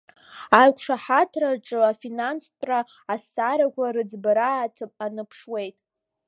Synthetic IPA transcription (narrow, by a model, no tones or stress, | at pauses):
ajkʷʰʂaħatʰraʈ͡ʂʼɨafinansʰʼ | raː | sːaɾakʷʰaɾɨd͡zbaɾaːtʰɨpʼanɨpʰʂwe̞jtʼ